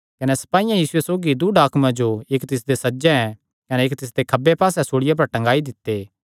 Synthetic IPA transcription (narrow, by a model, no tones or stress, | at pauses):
kɐnɛsɐ̥paːijãjiːsʊesoːɡid̪ʊɖaːkʰmãd͡ʒoeːkt̪ɪs̬d̪esɐd͡ʒɛ̃ɛ̃ | kɐneeːkt̪ɪs̬d̪ekʰɐbepaːsɛsoːɽɪjap̬ɐɾʈɐ̃ŋɡaːid̪ɪt̪ːeː